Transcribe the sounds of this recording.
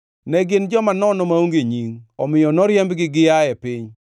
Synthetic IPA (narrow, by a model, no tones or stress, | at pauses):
nɛɡɪnd͡ʒɔmanɔnɔmauŋɡeɲiŋɔmɪjɔnɔɾjɛmbɡɪɡɪjajɛpɪɲ